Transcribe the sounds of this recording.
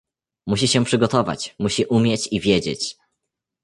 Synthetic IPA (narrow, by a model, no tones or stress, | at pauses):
muɕiɕɛpʂɘɡɔt̪ɔva̰t͡ɕmuɕiʔumʲjɛt͡ɕivʲjed͡ʑḛt͡ɕ